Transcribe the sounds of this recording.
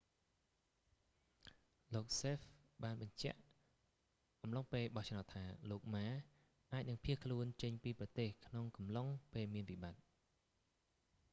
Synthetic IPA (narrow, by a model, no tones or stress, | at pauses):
loːk̚seːfɓaːnɓɑɲt͡ɕɛ̆əʔ | ʔɑmloŋpeːlɓɑht͡ɕʰnaʊt̪ʰːaːloːk̚maː | ʔaːc̚nɨŋpʰiəhkʰluənt͡ɕəɲpiːprɑt̪eːhkʰnoŋkɑmloŋpeːlmiənʋiɓat̪̚